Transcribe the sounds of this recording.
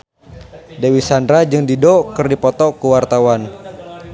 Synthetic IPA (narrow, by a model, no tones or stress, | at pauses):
dewisandɾad͡ʒɨŋdidɔkɨrdipɔt̪ɔkuwart̪awan